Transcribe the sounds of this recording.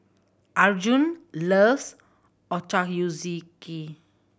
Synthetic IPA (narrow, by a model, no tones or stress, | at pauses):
ʔaɹd͡ʒũnləs | ɔt͡ʃakjuziki